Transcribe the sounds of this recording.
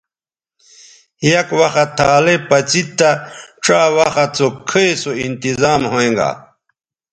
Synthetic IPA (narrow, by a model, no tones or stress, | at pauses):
hijɐkwɐxat̪ʰaːlepɐt͡sit̪ːaʈ͡ʂawɐxat͡sokʰejsoint̪izaːmhoẽŋɡa̰